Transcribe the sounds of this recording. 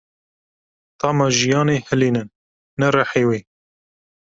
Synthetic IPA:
t̪ɑːmɑʒijɑːneːhɨliːnɨnː | ɛɾɑħeːweː

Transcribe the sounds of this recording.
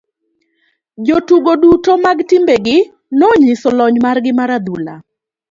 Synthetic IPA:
d͡ʒotuɡodutomaɡtɪmbeɡɪ | noɲisɔlɔɲmarɡɪmaɾad̪ula̰

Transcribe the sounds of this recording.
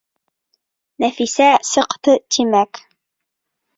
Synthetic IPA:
næfisæsɤ̆qt̪ɤt̪ʰimæk

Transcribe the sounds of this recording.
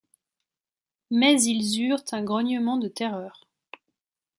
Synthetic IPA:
mɛzilzyʁt̪ʰɛ̃ɡʁɔnjəmɑ̃d̪ət̪ɛʁœːʁ

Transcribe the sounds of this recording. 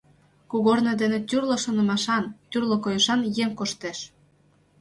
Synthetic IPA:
kuɣornĕd̪enĕt̪ʲyrlɤ̆ʃŏnə̆mɑʃɑnt̪ʲyrlŏkojəʃɑnjemkoʃt̪eʃ

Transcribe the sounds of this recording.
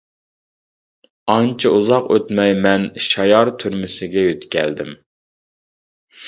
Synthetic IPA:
ɑnt͡ʃʰiuzɑqø̰t̪mɛjmɛnʃɑjɑɾt̪ʰyɾmɪsɪɡʲɛjøt̪kʲɛ̰ld̪ɪm

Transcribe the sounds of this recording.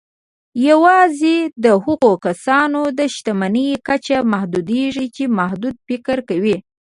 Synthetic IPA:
jawɑzed̪əhuɣokasɑnod̪əʃt̪amanəjkat͡ʃamahd̪ud̪eʐit͡ʃemahd̪ud̪̚fɪkɾkawi

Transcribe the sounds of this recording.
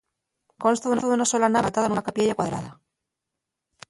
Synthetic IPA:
konst̪aðunoðunasolanaβat̪aðanunakapjeʝakwaðɾa̰ða

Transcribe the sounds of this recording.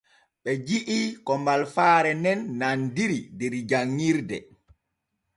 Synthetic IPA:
ɓɛd͡ʒiʔikɔmbalfaːɾɛnɛnːandiɾidɛɾd͡ʒaŋːiɾdɛ̰

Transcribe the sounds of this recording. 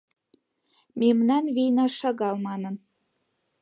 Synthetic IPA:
memnɑnβejnɑʃɑɡɑlˠmɑnɤ̆n

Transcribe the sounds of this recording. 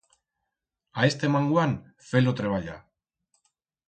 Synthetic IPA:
ae̞st̪e̞maŋɡwan | fe̞lot̪ɾe̞β̞aʎa̰

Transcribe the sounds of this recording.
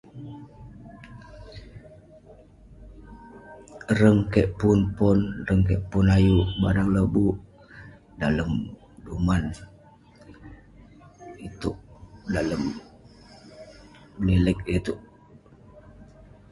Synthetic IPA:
rəŋkɛʔpunpɔnrəŋkəʔpʊnajuʔba̰ɾaŋləbuʔ | daləm | duman | it̪uʔdaləm | lilək̚it̪uʔ

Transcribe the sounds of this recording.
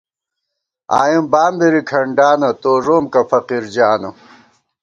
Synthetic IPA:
a̰ːjimbaːmd̪eɾikʰɐɳɖaːnɐt̪oːʐoːmkɐfɐqiɾd͡ʑaːnɐ

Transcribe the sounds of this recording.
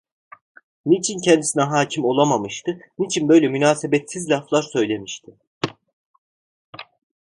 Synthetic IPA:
nit͡ʃʰincʰɛnd̪isinɛɦaːcʰimo̞lˠamamɯʃt̪ʰɯnit͡ʃʰinbø̞jlʲɛmynaːsebɛt̪sizlʲaflˠaɾsø̞jlʲe̞miʃt̪ʰɪ

